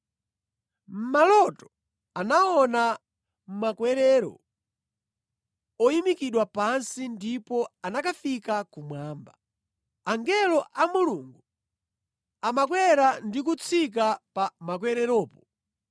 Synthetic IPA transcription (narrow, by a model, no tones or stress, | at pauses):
m̩malɔtɔ̥ | anaɔna | m̩makwɛɾɛɾɔ̰ | ɔimikiɗwapansindipɔanakafikakumwaːmba | aŋɡɛlɔʔamuluŋɡu | amakwɛɾandik̬ut͡sʰik̬apamak̬wɛɾɛɾɔːpɔ